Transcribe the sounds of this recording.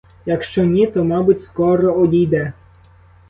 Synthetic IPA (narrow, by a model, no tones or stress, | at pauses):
jɐkʃt͡ʃɔnʲit̪ɔmɑbʊtʲskɔɾɔɔdʲijd̪ɛ